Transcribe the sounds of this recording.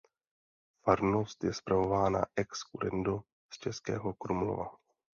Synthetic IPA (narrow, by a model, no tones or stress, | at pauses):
faɾnost̪jɛspɾavo̞vaːna̰ʔɛkskuɾɛndo | st͡ʃɛskɛ̰ːɦokɾumlo̰va